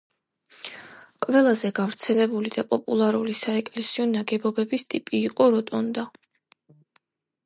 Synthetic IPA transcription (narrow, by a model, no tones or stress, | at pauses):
qʼvɛlˠazɛɡavɾt̪sʰɛlɛbulid̪apʼɔpʼulˠaɾulisaɛkʼlɛsiɔnaɡɛbɔbɛbist̪ʼipʼiːqʼɔɾɔt̪ʼɔnd̪a